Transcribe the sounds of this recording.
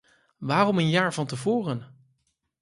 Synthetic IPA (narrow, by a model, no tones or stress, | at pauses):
ʋaːrɔmənjaːɹvɑntəvʊːrən